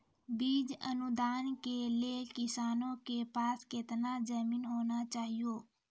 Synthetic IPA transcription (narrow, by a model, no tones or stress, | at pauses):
biːd͡ʒənʊd̪aːnkeliekɪsaːnõkepaːskɪt̪nad͡ʒəːmiːnɦoːnat͡ʃaːɦijoː